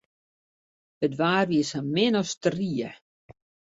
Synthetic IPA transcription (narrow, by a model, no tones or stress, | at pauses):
ətʋaːrʋisamɪnɔstriə